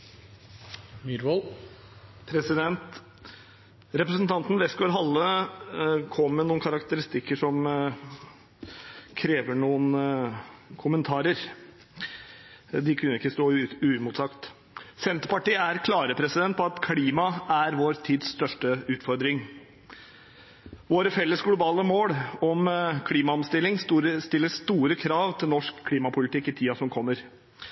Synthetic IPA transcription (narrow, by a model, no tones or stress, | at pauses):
mɪɾʋol | pʰɾɛsɪd̪ɛnt̪ | ɾɛpɾəsnt̪ʰɑnt̪n̩ʋɛskoːɾɦɑlːə | kʰɔmːɛnuːnkʰɑɾɑkt̪əɾɪst̪ɪkːəʂɔm | kʰɾeːʋəɳuːən | kʰʊmənt̪ʰɑːɾəɾ | d̪ɪkʰʉnːəɪkːəst̪oːʉmʊt̪sɑkt̪ | sɛnt̪pɑʈiːæɾkʰlɑːɾəpʰɾɛsɪd̪ɛnt̪̚pʰɔɑt̪kʰɽiːmɑæɾʋoːɾt̪ʰiːd̪sst̪œʂʈəʉːt̪fɔɾd̪ɾɪŋ | ʋoːɾəfɛlːəsɡlʊbɑːləmoːɽɔmkʰliːmɑɔmst̪ɪlːɪŋsɾst̪ɪlːəʂt̪uːɾəkʰɾɑːʋt̪ʰɪlnɔʂkʰːliːmɑpʰʊlɪt̪ɪkːɪt̪ʰiːɑsɔmkʰɔmːəɾ